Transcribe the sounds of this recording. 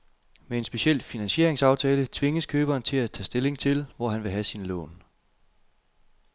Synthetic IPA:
mee̝nsb̥e̝ɕel̰finænɕe̝ɐ̰eŋsɑ̈ʊt͡sʰɛːlət͡sʰʋe̝ŋəskʰøːb̥ɐːnt͡sʰe̝læt͡sʰɛ̰ːsd̥e̝le̝ŋt͡sʰe̝lʋɒɦænʋe̝ɦæsinlɔ̰̽ːn

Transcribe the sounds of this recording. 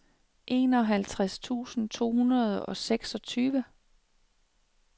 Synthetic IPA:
ʔe̝̰ːnɒ̽ɦælt͡sʰʁast͡sʰṵːsn̩t͡sʰo̝̰ːhunɐð̞ˠɒ̽seɡ̥sɒ̽t͡sʰyːʋə

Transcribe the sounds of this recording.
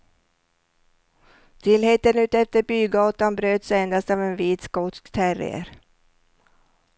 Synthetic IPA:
t̪ʰɪlheːt̪ənʉ̟ːt̪ɛft̪əɾbyːɡɑːt̪anbɾøːd̪send̪ast̪ɑvɛnviːt̪skɔt̪skt̪ʰæɾɪ̰ə̰ɾ

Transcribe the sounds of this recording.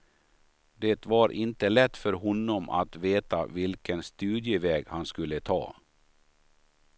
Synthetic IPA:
d̪eːt̪vaɾʔɪnt̪əlɛt̪ːfœɾɦɔnːɔmʔa̰t̪veːt̪a̰vɪlkənst̪ʉːd̪jəvɛːɡhanskɵlːət̪ʰɑ̰ː

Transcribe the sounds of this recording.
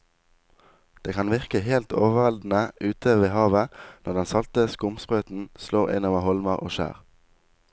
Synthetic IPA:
d̪̥eːkʰɑnʋɪʁkəheːlt̪ʰoːʋəəʋɛld̪n̩əʔʉːt̪ʰəʋeːhɑːʋənɔʁd̪ɛnsɑlt̪əskʊmspʁøːt̪n̩sloːɪ̰nɔʋɑhɔlməʁo̰ːʃæ̰ːʁ

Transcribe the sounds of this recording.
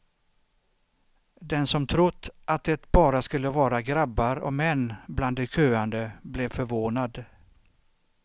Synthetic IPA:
d̪ɛnsɔmt̪ʰɾʊt̪ːʔat̪̚d̪ɛt̪bɑːɾaskɵlːəvɑːɾaɡɾabːaɾɔ̰mɛnːbland̪ɛkʰøːand̪əblɛvfœɾvoːnad̪

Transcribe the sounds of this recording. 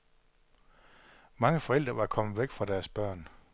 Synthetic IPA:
mɑ̈ŋəfɒ̽el̰d̥ʁɐʋɑ̈kʰɒ̽m̰əʋeɡ̥fʁɑ̈d̥æɐsb̥ɶɐ̰n

